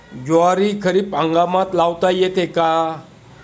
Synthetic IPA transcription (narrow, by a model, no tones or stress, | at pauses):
d͡ʑoaɾikʰəɾiːpãŋɡamãt̪lawt̪ajet̪eka